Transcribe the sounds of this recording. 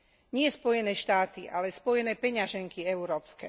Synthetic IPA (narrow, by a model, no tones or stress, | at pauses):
ɲɪɛspɔjɛnɛːʃt̪aːt̪ḭʔa̰lɛspɔjɛnɛːpɛɲaʒɛŋkiɛuɾɔːpskɛ̰